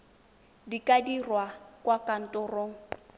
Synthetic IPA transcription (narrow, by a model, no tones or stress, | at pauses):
dikʼadirwakʼwakʼan̩tʼɔroːŋ̩